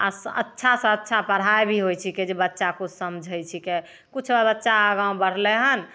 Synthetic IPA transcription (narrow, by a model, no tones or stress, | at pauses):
a̰sə̰tːʃʰasə̃ətːʃʰapəɽ̤ɦajbʱiɦojt͡ʃʰiked͡ʒebətːʃakut͡ʃʰsəmd͡ʒʱəjt͡ʃʰike | kut͡ʃʰbabətːʃaəɡãw̃bəɽ̤leɦən